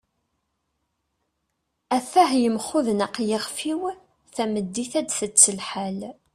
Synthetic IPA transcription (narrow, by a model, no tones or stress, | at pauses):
æθæhjəmχʊðnaqjəʁfiw | θæməd̪ːiθæd̪θət͡sːəlħal